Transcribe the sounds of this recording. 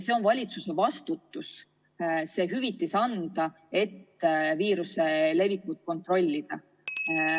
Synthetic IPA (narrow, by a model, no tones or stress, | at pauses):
se̞o̞nvɑlʲit̪suse̞vɑst̪ut̪ːˑus | se̞ːɦyvit̪ːˑisɑnd̪̥ɑ | e̞t̪ːviːɾuse̞le̞vikːut̪̚ko̞nt̪ˑro̞lʲːid̪̥ɑ